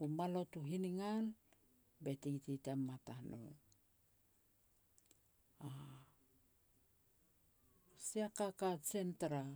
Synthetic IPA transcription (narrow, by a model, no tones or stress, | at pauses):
kumalo̞tuɦiniŋal | be̞tititamːatano̰ | a | siakakat͡ʃentɾa